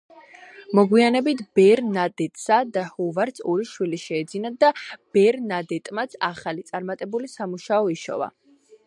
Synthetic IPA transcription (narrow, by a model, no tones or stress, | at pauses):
mɔɡwianɛbit̪ʰb̥ɛɾnad̪ɛt̪ʼsad̪ahuvaɾt̪sʰɔɾiʃwiliʃɛːd̪zinad̪ab̥ɛɾnad̪ɛt̪ʼmat̪sʰaχalit̪sʼaɾmat̪ʼɛbulisamuʃaɔiʃɔ̰va̰